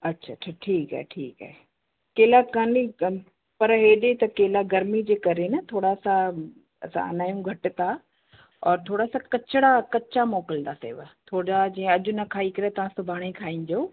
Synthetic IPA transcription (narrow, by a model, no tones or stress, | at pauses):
ɐtːɕʰaʈʰaʈʰiːka̰ːɦeʈʰiːka̰ːɦe | keːlakani | pɐɾɦeːɗet̪ɐkeːlaɡɐɾmid͡ʑeːkɐɾenɐt̪ʰoːɽasã | ɐ̰sã̰ɐ̰naːjũɡʱɐʈ̆t̪ʰa | ɔːɾt̪ʰoːɽasãkɐt͡ɕɪɽakɐt͡ɕamɔːkɪld̪asḛːʋt̪ʰoːad͡ʑiːə̃ɐʄʊ̆nɐkʰaːikɐɾet̪ɐʋ̤ãsʊbʱaːɽ̃ikʰaːĩːn̆d̪oː